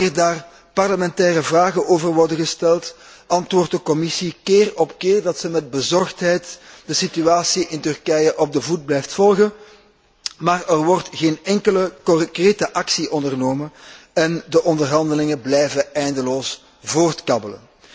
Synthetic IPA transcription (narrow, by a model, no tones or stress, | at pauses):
rdaːr | pɑrləmɛntɛːrəvraːɣəʔoːvərʋɔrdəɣəstɛlˠt | ʔɑntʋoːrt̚dəkɔmɪsikeːrɔpkeːrdɑtsəmɛd̚bəzɔrxtɦɛjtd̥əsityaːsiʔɪntʏrkɛjəʔɔb̚dəvud̚blɛjftfɔlˠɣən | maːrərʋɔrtɣeːnɛŋkələkɔkreːtəʔɑksiʔɔndərnoːmənɛndəʔɔndərɦɑndəlɪŋəblɛjvəɛjndəloːs | voːrtkɑbələ̰n